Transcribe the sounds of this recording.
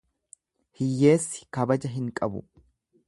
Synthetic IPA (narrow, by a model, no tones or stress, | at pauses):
hɪjːe̞ːsːɪ̥kɐbɐd͡ʒɐɦɪŋkʼɐbʊ̰